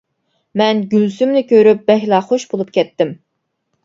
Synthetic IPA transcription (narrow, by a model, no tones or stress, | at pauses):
mɛnɡʲylsymnɪkʲʰøɾyp̚bɛɦlˠɑχoʃbolˠup̚kʲʰɛt̪ːɪm